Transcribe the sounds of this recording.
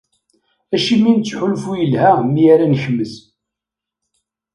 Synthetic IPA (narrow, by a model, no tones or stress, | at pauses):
æʃimːint͡sːħʊlfujəlhæmijæɾænəçəmːəz